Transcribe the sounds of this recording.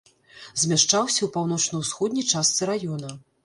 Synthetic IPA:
zʲmʲaʂt͡ʂawsʲɐwpawnɔt͡ʂnɐwsxɔd̪nʲɐjt͡ʂast̪sɨɾajɔnɐ

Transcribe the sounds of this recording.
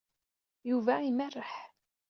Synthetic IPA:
juvæimærːəħ

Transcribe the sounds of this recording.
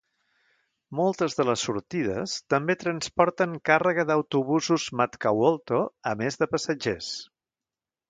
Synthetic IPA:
molˠt̪əzðələsːuɾt̪ið̞ə̰st̪əmbet̪ɾənspɔɾt̪əŋkarəɣəðəwt̪uβuzuzmat̪kawolˠt̪oəmezðəpəsəd͡ʒes

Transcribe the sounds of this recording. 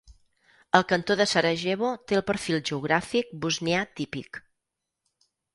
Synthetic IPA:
əlˠkənt̪oðəsaɾəʒɛβot̪eəlˠpəɾfilˠʒəuɣ̞ɾafik̚buzneat̪ipḭk

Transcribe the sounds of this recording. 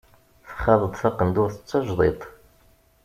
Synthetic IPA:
θə̥χɑðˤəd̪ˤθɑqənd̪ʊɾθət͡sːɑʒðˤet̪ˤ

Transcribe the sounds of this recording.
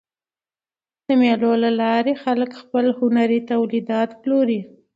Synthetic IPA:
d̪̥əmelolalɑɾexaləkxpəlhʊnaɾit̪awlid̪ɑt̪ploɾi

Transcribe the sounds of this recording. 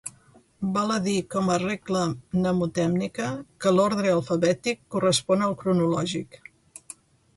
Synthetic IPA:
balˠəðikɔməreklənəmut̪ɛmnikəkəlɔɾðɾəəlˠfəβɛt̪ikːurəspɔnəlˠkɾunulɔʒik

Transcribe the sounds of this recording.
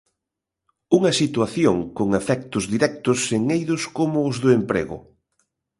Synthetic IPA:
uŋɐsit̪waθjoŋkoŋafɛk̚t̪ʊzðiɾɛk̚t̪ʊseŋejðʊskomʊːzðʊempɾḛɣʊ̰

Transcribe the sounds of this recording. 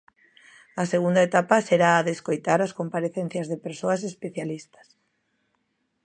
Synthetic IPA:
ɐseɣund̪aet̪apɐseɾaːðeskojt̪aɾaskompaɾeθẽn̟θjazðepeɾsoɐs̬espeθjalist̪ɐ̥s

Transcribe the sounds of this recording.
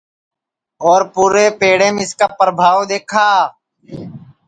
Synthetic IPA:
ɔːɾpuːɾeːpeːɽeːmẽɪskaːpɾəbʱaːʋd̪eːkʰaː

